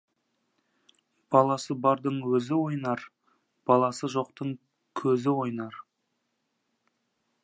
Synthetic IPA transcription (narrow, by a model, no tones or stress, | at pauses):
b̥ɑlˠɑsəbɑɾd̪əɴwɵzɪwo̞jnɑɾ | b̥ɑlˠɑsəʒo̞q̚t̪əɴ | kʲʰɵzɪwo̞jnɑɾ